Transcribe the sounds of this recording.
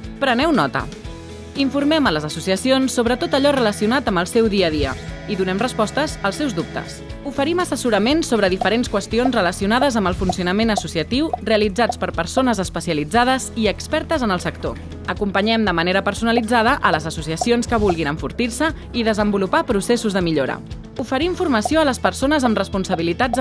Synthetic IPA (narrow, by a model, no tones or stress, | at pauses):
pɾənɛwnɔt̪ə̰ | iɱfuɾmɛmələzəsusiəsionsːoβ̞ɾət̪ot̪əʎɔrələsiunat̪əmbəlˠsɛwðiəðiə̰iðunɛmrəspɔst̪əzəlˠsɛwzdup̚t̪ə̰sufəɾiməsəsuɾəmensoβɾəðifəɾenskwəst̪ionzrələsiunaðəzəmbəlˠfunsiunəmenəsusiət̪iwreəlid͡zat͡spəɾpəɾsonəzəspəsiəlid͡zað̞əziəkspɛɾt̪əzənəlˠsək̚t̪o | əkumpəɲɛmd̪əməneɾəpəɾsunəlid͡zaðəʔələzəsusiəsionskəβulˠɣinəɱfuɾt̪iɾsə | iðəzəmbulupapɾusesuzðəmiʎoɾə̰ | ufəɾiɱfurməsioələspəɾsonəzəmrəspunsəβilit̪ad͡z